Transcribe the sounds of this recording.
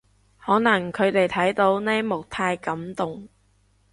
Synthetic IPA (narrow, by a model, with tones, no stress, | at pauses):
hɔː˨˥nɐ˨˩ŋkʰɵ˨˧ɥt̪e˨jt̪ʰɐ˨˥jt̪o˨˧˥wnɛː˥mʊ˨k̚t̪ʰaː˧jkɐ˨˥mt̪ʊ˨ŋ